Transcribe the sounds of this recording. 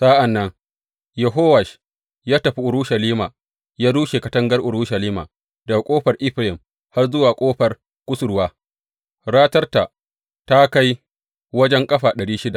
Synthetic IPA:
sa˦ʔa˨nːɐ˦ŋ | jɛ˨ɦoː˦wa˨ʃ | jaː˦tɐ˨ɸi˦ʔʊ˨ɾu˦ʃɐ˨liː˦maː˨ | jaː˦duː˦ʃe˨kɐ˨tɐ˦ŋɡɐ˦rʔʊ˨ɾu˦ʃɐ˨liː˦ma̰ː˨ | dɐ˨a˨kʷʼoː˦ɸɐ˨rʔɪ˦ɸlɪ˨m | ha˦rzʊ˦waː˨kʷʼoː˦ɸɐ˨r | kʷʼʊ˦sʊ˨ɾwaː˦ | ɽaː˦tɐ˦rta˨ | ta˦ka˦j | wɐ˦d͡ʒɛ˦ŋkʼɐ˦ɸaː˨ɗɐ˨ɽiː˦ʃɪ˦da˨ʔ

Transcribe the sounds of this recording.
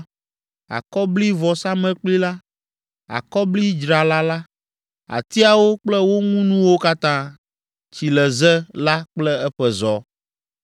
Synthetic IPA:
a̰˨kɔ˦bli˦vɔ˨sa˦mɛ̃˦k͡pli˦la˦ | a̰˨kɔ˦bli˦d͡ʒɾa˨la˦la˦ | a̰˨t̪i˦a˨wo˦k͡plɛ˦wo˦ŋũ˦nũ˦wo˦ka˦t̪ã˦ | t͡ɕi˨lɛ˨zɛ˦la˦k͡plɛ˦ɛ˦ɸɛ˦zɔ˨

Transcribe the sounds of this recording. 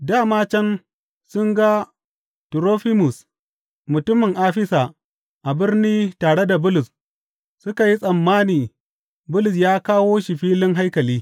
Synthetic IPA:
daː˦˨maː˦t͡ʃɛ˦n | sʊ˦ŋɡa˦ | tɾoː˦ɸɪ˦mʊ˨s | mʊ˨tʊ˦mːɪ˨ŋʔaː˦ɸɪ˦saː˨ | ʔa˨bɪ˦rniː˦taː˨ɽe˦da˨bʊ˦lʊ˨s | sʊ˦ka˨ji˦sʼɐ˨mːaː˦niː˨ | bʊ˦lʊ˨s̬jaː˦kaː˦woː˦ʃi˨ɸiː˦lɪ˦ŋɦa˦jkɐ˨liː˦

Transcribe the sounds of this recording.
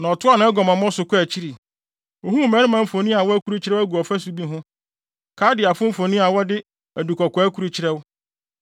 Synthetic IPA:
nã˨ɔ˨tʰʊ˦a˦nã˨ɛ˦ɡɔ̃˨mã˨m˦ɔ̃˦sʊ˨kʊ˦æ˨t͡ɕʰi˦ɾi˨ | o˨ɦũ˦˨mɛ̃˨˦ɾɪ˦mã˨m̩˦fo˨nĩ˦a˨wɔ˦æ˦kʰu˦ɾu˦t͡ɕʰɪ˨ɾɛ˦æ˦ɡu˨ɔ˨fæ˦su˦bi˦ɦʊ̃˦ | kʰaː˨˦dɪ˨a˨fʊ̃˦m̩˦fo˨nĩ˦a˨wɔ˦dɪ˦ | æ˨du˨kʰɔ˨kʰɔ˨æ˦kʰu˦ɾu˦t͡ɕʰɪ˦ɾɛ˦wʊ˦

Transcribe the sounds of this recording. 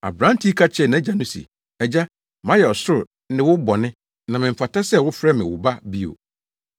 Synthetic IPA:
a̰˨bɾã˦n˦tʰi˦kʰa˦t͡ɕʰɛ˦˨nã˨˦d͡ʑa˨nʊ̃˦sḭ˨ | ɛ˨d͡ʑa˦ | mã˦jɛ˨ɔ˨sʊ˦ɾ | nɪ̃˦wʊ˦bɔ˨nɪ̃˦ | nã˨mɪ̃˨m̩˨fa˨tʰa˦sɛ˦˨wʊ˦fɾɛ˦mɪ̃˨wʊ̰˨ba˦bi˦o̰˨

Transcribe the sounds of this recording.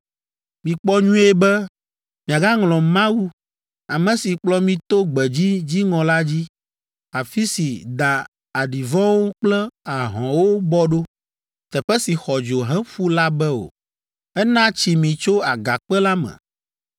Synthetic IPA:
mĩ˨k͡pɔ˦ɲũ˦e˦bɛ˦ | mĩ˨a˨ɡa˦ŋlɔ̃˨mã˦wu˦ | a˨mɛ̃˨si˨k͡plɔ˦mĩ˦t̪o˦ɡ͡bɛ˨d͡ʑi˦d͡ʑi˦ŋɔ̃˨la˦d͡ʑi˦ | a˨fi˦si˨d̪a˨ | a˨ɖi˨vɔ̃˦wo˦k͡plɛ˦a˨ɦɔ̃˨wo˦bɔ˦ɖo˦ | t̪ɛ˨ɸɛ˦si˨xɔ˨d͡ʒo˨ɦɛ̃˦ɸu˦la˦bɛ˦o̰˨ | ɛ˦nã˦t͡ɕi˨mĩ˨t͡ʃo˦a˨ɡa˨k͡pɛ˦la˦mɛ̰̃˨

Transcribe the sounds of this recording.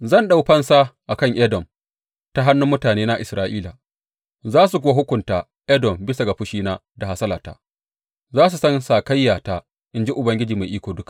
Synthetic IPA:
zɐ˦˨nɗa˦˨wɸɐ˦nsaː˦ʔa˨kɐ˦˨ŋʔɛ˦dɔ˨m | ta˦ɦa˦nːʊ˦mːʊ˦taː˨neː˦na˦ʔɪ˨sɾaː˦ʔiː˦laː˨ | zaː˦s̬u˨kʷʊ˦wa˦ɦʊ˦kʷʊ˨ntaː˨ | ʔɛ˦dɔ˨mbɪ˦sa˨ɡa˨ɸʊ˦ʃiː˦naː˦ | da˨ha˦sɐ˦laː˨ta̰ː˦ | zaː˦s̬u˨sɐ˦nsaː˨ka˦jːaː˨taː˦ | ʔɪ˨nd͡ʒi˦ʔʊ˨bɐ˦ŋɡʲɪ˦d͡ʒiː˨ma˨jʔiː˦kʷoː˨dʊ˦kḁ˨

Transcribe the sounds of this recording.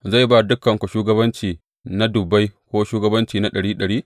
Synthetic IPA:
za˦˨jba˦dʊ˦kːɐ˨ŋkʷɐ˨ʃuː˦ɡɐ˦bɐ˦nt͡ʃiː˨ | na˦dʊ˨bːa˦jkʷoː˦ʃuː˦ɡɐ˦bɐ˦nt͡ʃiː˨na˦ɗɐ˨ɽiː˦ɗɐ˨ɽiː˦

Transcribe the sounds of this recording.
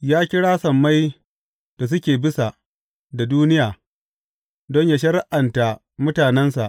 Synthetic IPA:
jaː˦kʲɪ˦ɽaː˦sɐ˨mːa˦j | d̥a˨s̬ʊ˦kʲeː˨bɪ˦sa˨ | da˨duː˦nɪ˦jaː˨ | dɔ˦ɲjaː˦ʃɐ˦ɾɪ˦ʔa˨nta˨ | mʊ˦taː˨nɛ˦nsa˨ʔ

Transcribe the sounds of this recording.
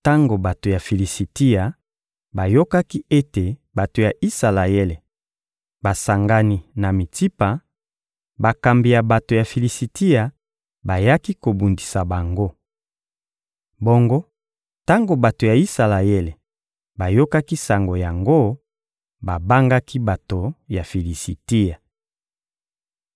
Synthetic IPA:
ta˦ŋɡo˨ba˨to˨ja˨fi˨li˨si˨ti˦ja˨ | ba˨jo˦ka˦ki˦e˦te˨ba˨to˨ja˨ʔi˦sa˨la˨je˦le˨ | ba˨sa˨ŋɡa˨ni˨na˨mi˨ti˦pa˨ | ba˨ka˨mbi˨ja˨ba˨to˨ja˨fi˨li˨si˨ti˦ja˨ | ba˨ja˦ki˦ko˨bu˨ndi˨sa˨ba˨ŋɡo˦ | bo˦ŋɡo˦ | ta˦ŋɡo˨ba˨to˨ja˨i˦sa˨la˨je˦le˨ | ba˨jo˦ka˦ki˦sa˨ŋɡo˨ja˨ŋɡo˦ | ba˨ba˦ŋɡa˦kʰi˦ba˨to˨ja˨fi˨li˨si˨ti˦ja˨

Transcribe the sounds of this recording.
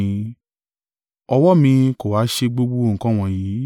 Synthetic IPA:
ɔ˧wɔ˦mĩ˧ko˨wa˨˦ʃe˧ɡ͡bo˧ɡ͡bo˦˨ŋ̩˨kã˦w̃ɔ̃˧ji˨˦

